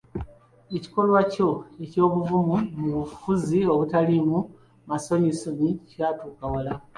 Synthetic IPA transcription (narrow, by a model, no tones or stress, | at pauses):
e̞ci̥ko̞lwaco̞e̞co̞ːβuvumumuβufuzio̞βutalimu | maso̞ɲisonicikatuːkawala